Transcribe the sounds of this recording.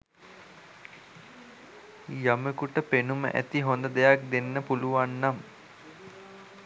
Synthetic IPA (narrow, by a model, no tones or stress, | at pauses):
jaməkuʈəpenumə̰ʔæ̰t̪iɦond̪əd̪ejak̚d̪enːəpuluʋanːam